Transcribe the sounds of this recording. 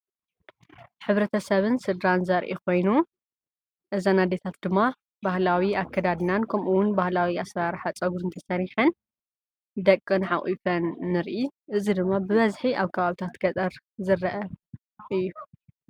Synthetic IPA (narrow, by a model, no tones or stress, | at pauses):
ħɨβɾɐt̪ʰɐsɐβɨnsɨd̪ɾanzɐɾʔḭko̞jnu | ʔɨzɐnad̪et̪ʰat̪d̪ɨmːa | bahlawiakʰːɐd̪ad̪nankʰɐmʔuwʊnbahlawiasɾaɾħat͡sʼɐɡuɾɨnt̪ʰɐsɐɾiħɐn | d̪ɐkʼːɨnħaʔʼifɐnːɨɾʔiʔɨzid̪ɨmːabɨβɐzħiʔaβkʰɐβaβit̪ʰat̪ɡɐt͡sʼɐɾ | zɨɾːɐʔɐ | ʔɨjːu